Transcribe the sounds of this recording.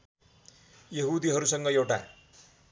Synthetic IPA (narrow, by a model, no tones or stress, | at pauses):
jʌɦud̪iɦʌɾusʌŋɡʌjewʈa̰